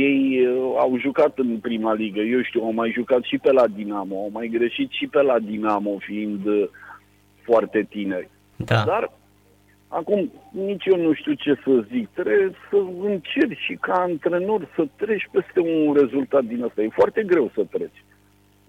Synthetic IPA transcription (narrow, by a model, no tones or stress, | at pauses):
je̞ja̰wʒukat̪ɨnpɾimaliɡəje̞wʃt̪iuawmajʒukat̪ʃipe̞lad̪inamo̞awmajɡɾeʃit̪ʃipe̞lad̪inamo̞fiind̪ | foart̪e̞t̪ine̞rʲ | d̪ad̪ar | akumnit͡ʃjownuʃt̪iut͡ʃe̞səzik̚t̪ɾesəɨnt͡ʃerʲʃikaɨnt̪ɾe̞no̞rʲsət̪ɾe̞t͡ʃʲpe̞st̪e̞unre̞zult̪at̪̚d̪inast̪aje̞foart̪e̞ɡɾe̞wsət̪ɾe̞t͡ʃʲ